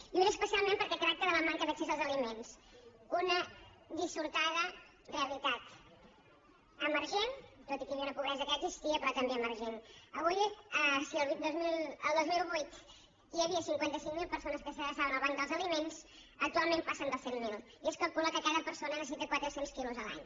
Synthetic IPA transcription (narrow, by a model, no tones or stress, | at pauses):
iunəspəsialˠmẽmpəɾkɛkɾak̚t̪əðələmaŋkəðəksezəlˠzəlimens | unə | ðisuɾt̪aðə | reəlit̪at̪ | əməɾʒent̪ot̪ikəβiəunəpuβɾɛzəkəːɡzist̪iəpɾɔt̪əmbeəməɾʒenəβ̞ujəsiəlˠβid̪ozmiləlˠd̪ozmilˠβujt̪ | iəβiəsiŋkwant̪əsiŋmilˠpəɾsonəskəsəɣɾəsaβənəlˠβaŋd̪əlˠzəlimenz | ək̚t̪ualˠmẽnpasənd̪əsemːilˠ | ieskəlˠkuləkəkaðəpəɾsonənəsit̪əkwat̪ɾəsenskiluzəlˠa̰ɲ